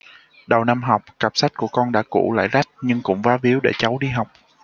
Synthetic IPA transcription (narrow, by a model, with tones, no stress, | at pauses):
ɗə˨˩wna˧mɦa˨˩wk͡p̚ka˨˩p̚sa˦˥k̟̚ku˧˩əkɔ˧nɗa̰ː˧˥kṵ˧˩la̰ː˧˨jza˦˥k̟̚ɲɨ˧ŋkʊ̰˧˥ŋ͡mvaː˨˦vi˨˦əwɗe˧˩t͡ɕa˨˦wɗi˧ɦa˨˩wk͡p̚